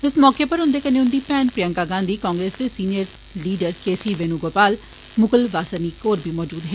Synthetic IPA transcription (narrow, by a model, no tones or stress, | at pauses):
ɪsmɔːkeːpəɾʊ̃nd̪eːkəneːʊ̃nd̪iːpɛːnpɾɪjə̃ŋkaːɡãːnd̪iːkãːŋɡɾeːsd̪eːsiːnijəɾ | liːɖəɾkeːsiːʋeːnũːɡoːpaːl | mʊkəlʋaːsəniːkoːɾbʱiːmɔːd͡ʒuːd̪ɦɛː